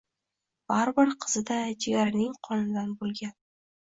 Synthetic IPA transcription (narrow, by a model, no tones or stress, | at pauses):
b̥aɾbɪɾqʰɨ̥z̥ɪd̪ad͡ʒɪaɾɪnɪŋqʰɒnɪd̪anbolˠɡʲan